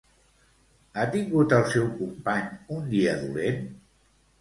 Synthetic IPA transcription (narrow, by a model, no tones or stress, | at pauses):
at̪iŋɡut̪əlˠsɛwkumpaɲund̪iəðulen